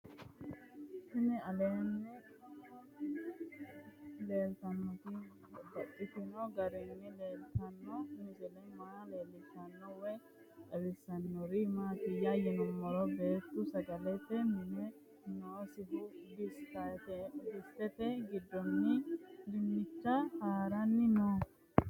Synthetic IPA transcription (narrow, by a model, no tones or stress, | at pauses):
hɪnɛɐleːnːɛ | le̞ːlt̪ɐnːɔt̪ɪ | bɐtːɪt̪ɪnɔɡɐɾɪnːɪle̞ːlt̪ɐnːɔmɪzɛlɛmaːleːlːɪsɐnːɔwɛ | ɐbɪsːɐnːɔɾɪmaːt̪ɪjɐjɛnɔmːɔɾɔbeːt̪ːʊsɐɡɐlɛt̪ɛmɪnɛ | noːsɪɦʊd̪ɪst̪ɐt̪ɛbɪst̪ɛt̪ɛɡɪd̪ːɔnːɪd̪ɪmːɪt͡ʃːɐhaːɾɐnːɪnoː